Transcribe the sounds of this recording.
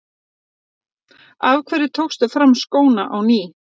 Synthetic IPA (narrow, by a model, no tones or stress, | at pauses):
avkʰvɛːɾɪt̪ʰowxst̪afɾamːskoːwnaʔawniː